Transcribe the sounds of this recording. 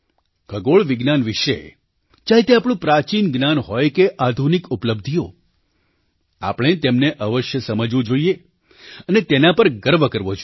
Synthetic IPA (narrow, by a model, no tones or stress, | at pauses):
ɡʰʱəɡoɭʋɪɡnanʋɪʃḛ | d͡ʒaɦet̪eapɽ̃ũpɾat͡ʃinɡnanɦɔjkeʔad̪ʱunikupləb̚d̪ʱijo | a̰pəɳ̃et̪emneʔəʋəʃjəsəməd͡ʒʋũd͡ʒoije | ənet̪enapəɾɡəɾʋəkəɾʋod͡ʒo